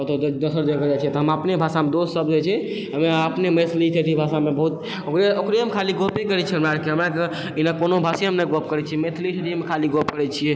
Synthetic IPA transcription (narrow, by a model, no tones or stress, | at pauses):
ot̪od̪əsəɾd͡ʒ̪ekəd͡ʒat͡ʃʰɛt̪ɦəməpnebʱasamed̪ossəbd͡ʒɛt͡ʃʰɛ | ɦəmeəpnemet̪ʰlit̪ʰeʈʰibʱasamebəɦut̪ | okɾeokɾeəmekʰaliɡopekəɾɛt͡ʃʰɛmɾaɽkeɦəmɾãke | inakonobʱasiɦəmneɡopkəɾɛt͡ʃʰiɛmet̪ʰlit̪ʰeʈʰimekʰaliɡopkəɾɛt͡ʃʰijɛ